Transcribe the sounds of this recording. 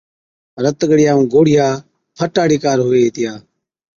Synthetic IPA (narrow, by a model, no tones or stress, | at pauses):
ɾət̪ɠəɽɪjaːũːɡoːɽɪjaː | pʰəʈaːɽiːkaːɾɦoːeːeːt̪ɪjaː